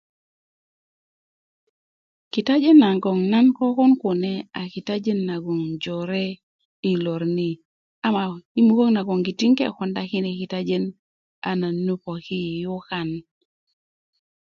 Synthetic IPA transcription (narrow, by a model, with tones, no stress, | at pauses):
ki˨ta˦d͡ʒe˦na˨ŋɡɔ˨ŋna˦nkɔ˦kɔ˦nku˨nɛ˦a˨ki˨ta˦d͡ʒe˦nːa˨ɡo˨ŋd͡ʒɔ˨ɾe˦ | i˨lo˨ɾni˦˨ | a˦ma˨i˦mu˦ko˦ŋna˨ɡɔ˨ŋɡi˨ti˦ŋkḛ˨kɔ˨nda˦ki˦ne˨ki˨ta˦d͡ʒe˦n | a̰˨na˨nːu˦pɔ˨ki˦˨ju˦ka˦˨n